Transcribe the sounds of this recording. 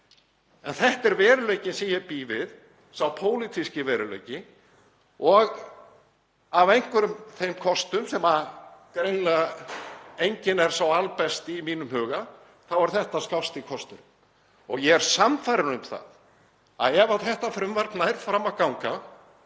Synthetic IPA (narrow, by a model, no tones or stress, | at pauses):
ɛnθɛht̪ɛɾvɛːɾʏleːjcɪsɛjɛpiːvɪð | sawpʰoːwlit̪ʰiscɪvɛːɾʏlḛjcɪ | ɔɣ | avejŋ̥kvʏɾʏmθejmkʰɔst̪ʏmsɛmakɾejnla | ejɲcɪnɛɾ̥sawalpɛst̪imiːnʏmhœːɣa | θawaɾ̥θɛht̪askawst̪ɪkʰɔst̪ʏɾm | ɔɣjɛɛɾ̥samfajɾɪɾʏmθa̰ð | a̰ðɛvaðθɛht̪afɾʏmvaɾt̪naɛɾ̥fɾamakawŋka